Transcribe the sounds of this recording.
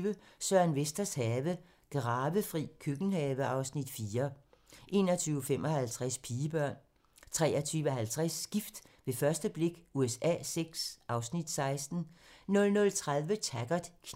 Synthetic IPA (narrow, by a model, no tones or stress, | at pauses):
ʋəsɶɐ̰nʋesd̥ɐshɛːʋə | ɡ̥ʁɑ̈ːʋəfʁḭːkʰøɡ̥n̩hɛːʋəɑ̈ʊsnid̥fiːɐ | ʔe̝̰ːnɒt͡sʰyːʊfem̰ʔɒ̽hælt͡sʰʁaspʰiːəb̥ɶɐ̰n | t͡sʰʁɛːɐt͡sʰyːʋəɦælt͡sʰʁasːɡ̥ifd̥ʋe̝fɶɐsd̥əb̥le̝ɡ̥uesɛ̰ːseɡ̥sʔɑ̈ʊsnid̥sɑ̈ɪsd̥n̩nɔ̽lnɔ̽lt͡sʰʁaðˠʋət͡sʰæɡ̥ɐd̥kʰ